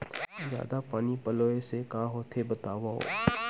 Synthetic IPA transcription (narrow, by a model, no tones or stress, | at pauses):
zja̰ːd̪apaːnipɐloːesekaːɦoːt̪ʰebɐt̪aːʋaɦo̰ː